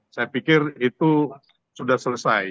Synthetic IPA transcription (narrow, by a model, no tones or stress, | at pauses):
sajapikɪrit̪u | sudahsələsaj